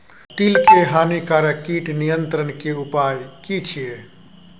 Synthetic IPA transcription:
t̪ilkeɦaːnikaɾəkiʈnijənt̪ɾənkeupajkit͡ʃʰie

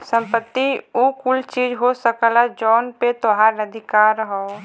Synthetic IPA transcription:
sə̃mpət̪ːiukʊlt͡ʃiːd͡ʒɦosəkəlad͡ʒɔːnpet̪oɦaɾnəd̪ʱɪkaɾɦo

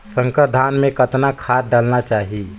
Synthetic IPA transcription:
sə̃ŋkəɾd̪ʱanmẽkət̪nakʰaɾɖalnat͡ʃaɦi

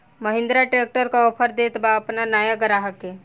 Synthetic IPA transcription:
məɦɪ̃nd̪ɾaʈɾeːk̚ʈəɾkaɔpʰəɾd̪et̪baɐpnanaːjaɡəɾaɦake

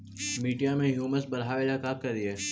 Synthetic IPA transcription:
miːɖijamẽɦjuːməsbɐɾɦaːʋelakaːkːɐɾdieː

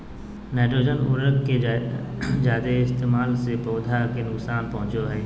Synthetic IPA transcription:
nɛːʈɾoːd͡ʒənṵːɾəkke | d͡ʒaːd̪eɪst̪eːmaːlsepoːd̪ʱakenʊksaːnpɐɦʊ̃t͡ʃoɦɛː

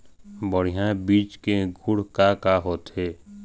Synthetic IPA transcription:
bəɽ̤ijãbiːt͡ʃkeɡʱʊɽkakaɦoːt̪ɦeː

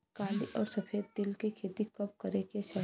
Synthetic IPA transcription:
kãːnd̪iʔɔːɾsɐpʰeːd̪̚ːɪlkekʰeːt̪ikɐp̚kɐɾekeʃɐ

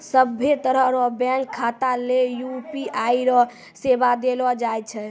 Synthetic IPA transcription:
səbʱːet̪əɾəɦɾɔbɛ̃ŋkʰːat̪alejupiʔaiɾɔ | sebad̪elɔd͡ʒajt͡ʃʰɛ

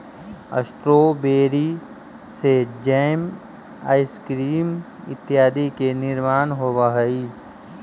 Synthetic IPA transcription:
ə̰sʈɾoːbeːɾi | sed͡ʒɛːm | a̰ːɪskɾiːm | ɪ̰t̪ːjaːd̪ikenɪɾmaːnɦoːbaɦəiː

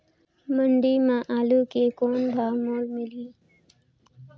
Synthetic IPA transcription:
məɳɖiːmãʔaːluːkekoːnbʱaːmoːlmɪliː

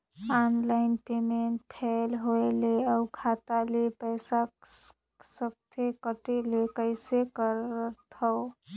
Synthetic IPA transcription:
anlaɪnpemeɳʈ̚pʰelɦoeleəwkʰat̪alepəjsa | səb̚t̪ʰekəʈelekəɪsekəɾt̪ʰə

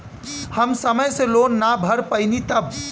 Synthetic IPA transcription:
həmsəməjselonːabʱəɾpəɪnit̪əb

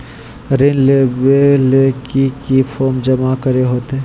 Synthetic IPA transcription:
ɾenlebelekikipʰɔːɾmd͡ʒɐmakəɾeɦoːt̪ɦeː

